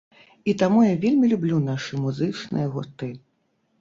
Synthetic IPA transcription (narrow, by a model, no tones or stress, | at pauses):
it̪amujavʲelʲmʲilʲublʲunaʂɨmuzɨt͡ʂnɨ̰jɐɣut̪ɨ